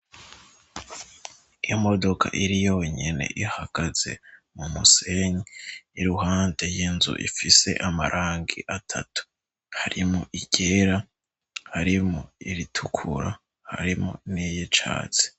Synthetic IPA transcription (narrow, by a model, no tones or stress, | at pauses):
ijomo̞do̞kʰa̰ʔiɾijoɲe̞ne̞̰ʔihaɡ̥az̥e̞̰mumuse̞ɲiiɾuɦaːndejinzṵʔḭfise̞̰ʔamaɾʔaːŋɡiʔatʰatu̥ | haɾimoʔiɟ̥e̞ːɾa | haɾimoiɾitʰukʰṵɾa | ha̰ɾimo̰nijet͡ʃa̰ːt͡se̥